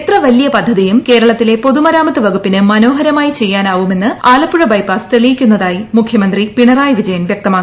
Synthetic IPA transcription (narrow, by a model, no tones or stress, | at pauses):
t̪rɐʋɐlijɐpɐd̪ʱːɐðijumke̞ːɾɐɭɐt̪ːile̞po̞ðumɐɾaːmɐt̪ːɨʋɐɡupːinɨmɐno̞ːɦɐɾɐmaːjit͡ɕe̞jːaːnaːʋume̞nːɨaːlɐpːuɻɐbɐjpaːst̪eɭijikʲːunːɐðaːjimukʰjɐmɐnd̪ripiɳɐraːjɐʋid͡ʑɐjɐnʋjɐk̚t̪ɐmaːk